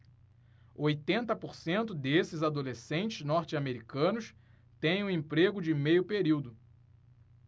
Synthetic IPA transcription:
ojt̪ẽnt̪ɐpoɾsẽnt̪ʊd̪esɪzad̪olesẽnt͡ʃɪznɔɾt͡ʃɪameɾikɐ̃nʊs | t̪ẽj̃ũẽmpɾeɡʊd͡ʒɪmejʊpeɾiwd̪ʊ

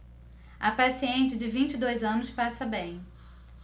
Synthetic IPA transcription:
ɐpasiẽnt͡ʃɪd͡ʒɪvĩt͡ʃɪd̪ojzɐ̃nʊspasɐbẽj̃

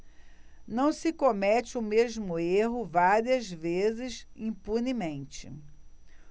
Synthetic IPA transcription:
nɐ̃w̃sɪkomɛt͡ʃɪʊmezmʊeɦʊvaɾiɐzvezɪzĩpunimẽnt͡ʃɪ

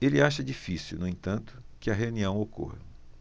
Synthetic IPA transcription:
elɪaʃɐd͡ʒifisiwnʊẽt̪ɐ̃nt̪ʊ̥kɪɐɦeuniɐ̃w̃oko̰hɐ

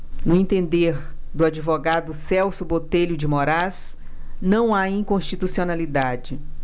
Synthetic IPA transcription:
nʊẽnt̪ẽnd̪eɾd̪ʊad͡ʒivoɡad̪ʊsɛwsʊbot̪eʎʊd͡ʒɪmoɾaz | nɐ̃w̃aĩkõʃt͡ʃit̪usionalid̪ad͡ʒɪ

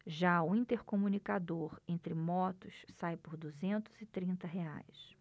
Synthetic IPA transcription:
ʒaʊĩt̪eɾkomunikad̪oɾẽnt̪ɾɪmɔt̪ʊssajpʊɾd̪uzẽnt̪ʊzɪt̪ɾĩnt̪ɐɦea̰js

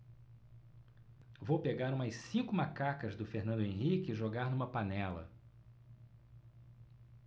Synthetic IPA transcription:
vowpeɡaɾũmɐssĩŋkʊmakakɐzd̪ʊfeɾnɐ̃nd̪ʊẽɦikɪʒoɡaɾnũmɐpanɛlɐ̰

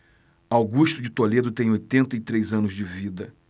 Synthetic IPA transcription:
awɡuʃt̪ʊd͡ʒɪt̪oled̪ʊt̪ẽj̃ojt̪ẽnt̪ɐɪt̪ɾejzɐ̃nʊzd͡ʒɪvid̪ɐ

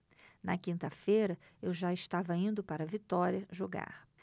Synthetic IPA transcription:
nɐkĩnt̪ɐfejɾɐewʒaɪʃt̪avɐĩnd̪ʊpaɾɐvit̪ɔɾiɐʒoɡa̰ɾ

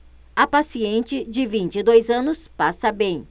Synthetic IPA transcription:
ɐpasiẽnt͡ʃɪd͡ʒɪvĩnt͡ʃɪd̪ojzɐ̃nʊspasɐbẽj̃

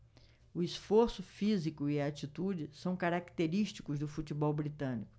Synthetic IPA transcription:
ʊisfoɾsʊfizikʊɪat͡ʃit̪ud͡ʒɪsɐ̃w̃kaɾakt̪eɾiʃt͡ʃi̥kʊzd̪ʊfut͡ʃibɔwbɾit̪ɐ̃nikʊ̥

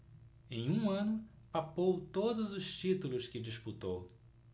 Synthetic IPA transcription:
ẽj̃ũɐ̃nʊ | papowt̪od̪ʊzʊʃt͡ʃit̪ulʊskɪd͡ʒisput̪ow

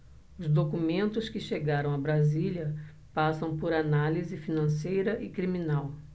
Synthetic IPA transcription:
ʊzd̪okumẽnt̪ʊskɪʃeɡaɾɐ̃w̃ɐbɾaziljɐ | pasɐ̃w̃poɾanalizɪfinɐ̃sejɾɐʔɪkɾimĩnaw

